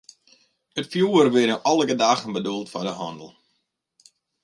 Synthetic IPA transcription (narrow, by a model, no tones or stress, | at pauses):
ətfjuːərʋɪɾəʔɔlˠəɡədaːɣənbədulˠtfɔdəhɔ̰ndəl̩ˠ